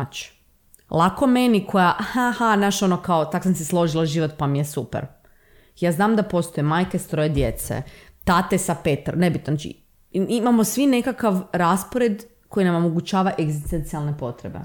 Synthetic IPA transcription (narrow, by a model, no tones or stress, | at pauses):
t͡ʃ | lˠako̞menikʰo̞jaʔhahanaʃo̞nokaot̪akosamseslˠo̞ʒilaʒiʋo̞t̪pamijesupḛɾ | jaːznaːmd̪apo̞st̪ojemaːjkest̪ɾo̞jed̪jet̪sḛt̪at̪esapet̪a̰ɾnebit̪nonat͡ʃḭ | imamo̞sʋine̞kakaʋɾaspoɾed̪ | ko̞jinamo̞moɡut͡ʃaːʋaʔeɡzist̪ent̪sialˠnepo̞t̪ɾḛbḛ